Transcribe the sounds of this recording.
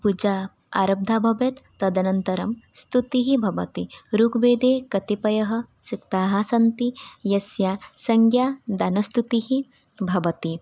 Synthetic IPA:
pud͡ʒa | a̰ɾɐb̚d̪ʱaːbʱɐʋet̪ːɐd̪ɐnɐnt̪ɐɾɐmst̪ut̪iɦibʱɐʋɐ̰t̪iɾuːkbeːd̪eːkɐt̪ipɐjɐɦɐ̆ | sikt̪aːɦasɐnt̪ijɐsjaːsɐŋɡjaːd̪anɐst̪ut̪iɦi | bʱɐʋɐt̪i

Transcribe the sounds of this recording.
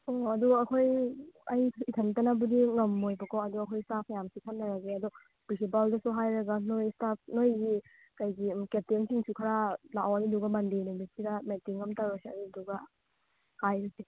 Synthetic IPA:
oɐduɐkʰojɐjitʰɐŋtɐnɐbudiŋɐmːojbɐkʰɔɐduɐkʰojstap̚ʰjamsikʰɐnːɐɾɐɡeɐdɔ | b̥isip̬aldɐsuɦajɾɐɡɐnojstap̚ʰnojɡi | kɐjɡimkep̚teŋsiŋsukʰɐɾalawɐniduɡɐmɐndenumit̚sidɐmetiŋɐmtawɾɐsiɐniduɡɐ | hajɾɐse

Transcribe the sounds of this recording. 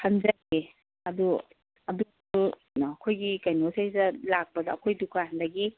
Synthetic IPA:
hɐnzajɡe | ɐdu | ɐdu | u | ɐkʰojɡikajnosajzɐlak̚pɐdɐːkʰojdukʰahandɐɡi

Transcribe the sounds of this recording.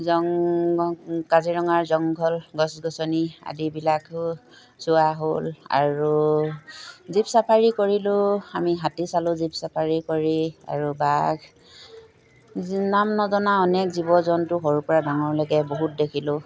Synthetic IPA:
zɔŋɔkaziɹɔŋaɹzɔŋɡʱɔlɡɔsɡɔsɔnia̰dibilak | sʊaɦola̰ɹu | zipsapʰaɹikoɹilʊamiɦatisalʊzipsapʰaɹikoɹia̰ɹubaɡ | namnɔzɔnaɔnɛkzibɔzɔntʊɦɔɹupɔɹadaŋɔɹlɔɡɛboɦut̚dekʰilʊ̃

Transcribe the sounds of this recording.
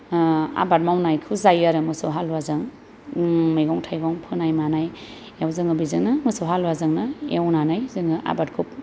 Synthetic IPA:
a̰bat̚mawnajkʰuzajaɾɯmɯsowɦalwazaŋ | mɯjɡɔŋtʰajɡɔŋpʰɯnajmanaj | awzɯŋɯbizɯŋnɯmɯsɔwɦalwazaŋnɯewnanajzɯŋɯʔa̰bat̚kʰup̚

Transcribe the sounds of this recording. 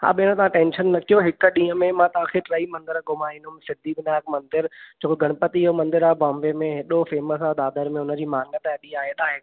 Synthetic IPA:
ha̰ːɓɪɽ̃ə̃t̪ɐʋ̤ãʈẽːnʃənːɐkʰijoɦɪkɗĩːəmẽmãt̪ɐʋ̤ãkʰeʈɾɐimɐ̃nd̪ɪɾɡʊmaːĩnd̪ʊɦʊmsɪd̪ʱibɪnaːkmɐ̃nd̪ɪɾd͡ʑʰoːkoɡʱɐɽ̃pət̪iɪɦomɐ̃nd̪ɪɾaːbɔ̃ːmbemẽɦɪɗofeːməsad̪aːd̪əɾmẽʊnə̆d͡ʑiːmaːŋnət̪eɐɗiaːɦeɗ̪aːɦe

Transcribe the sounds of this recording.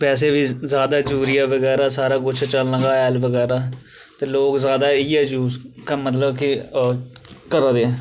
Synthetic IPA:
pɛːseːʋiːzjaːd̪aːd͡ʒuːɾijaːʋəɡɛːɾaːsaːɾaːkʊt͡ʃʰt͡ʃəlnə̃ɡaːɛːlʋəɡɛːɾaː | t̪eːloːkzjaːd̪aːiːɛːd͡ʒuːzkaːmət̪̬ləbkɪ | kəɾaːd̪eɛː

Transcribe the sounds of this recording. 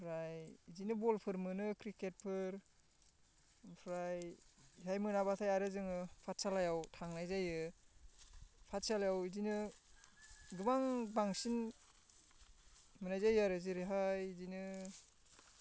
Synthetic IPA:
pʰɾajizinɯbɔlpʰɯɾmɯnɯkɾiket̚pʰɯɾ | pʰɾajɦajmɯnabatʰajaɾɯzɯŋɯpʰat̚salajawtʰaŋnajzajɯ | pʰat̚salajawizinɯ | ɡɯmaŋbaŋsin | mɯnajzajɯaɾɯziɾiɦajzinɯ

